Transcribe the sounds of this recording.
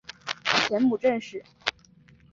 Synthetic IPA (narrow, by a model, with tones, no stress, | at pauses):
t͡ɕʰjɛ˧˥nmu˨˩ʈ͡ʂə˥˧nʂɻ̩˥˩